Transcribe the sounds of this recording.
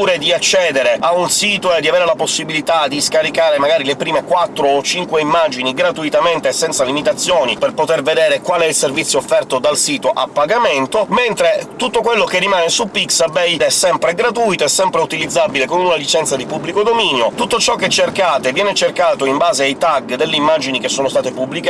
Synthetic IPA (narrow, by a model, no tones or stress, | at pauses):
uːɾed̪iat͡ʃːɛːd̪eɾeaunsiːt̪oed̪ːiaveːɾelaposːibilit̪ad̪iskaɾikaːɾemaɡaːɾilepɾiːmekwat̪ːɾoːt͡ʃːiŋkweimːaːd͡ʒiniɡɾat̪uit̪ament̪esɛnt̪salimit̪at̪sːjoːniperpot̪erved̪eːɾekwaːlɛilservit̪sjoːfːɛrt̪od̪alsiːt̪oʔa̰pːaɡament̪oment̪ɾet̪ut̪ːokwelːokerːimaːnesupiksabɛjd̪ɛsːɛmpɾeɡɾat̪ujt̪oesːɛmpɾeut̪ilid̪zːabilekomunalit͡ʃɛnt̪sad̪ipubːlikod̪omiːnjot̪ut̪ːot͡ʃɔkːet͡ʃːerkaːt̪evjɛːnet͡ʃerkaːt̪oimbaːzeajt̪aɡd̪elːeimːad͡ʒinik̟esːoːnost̪aːt̪epublik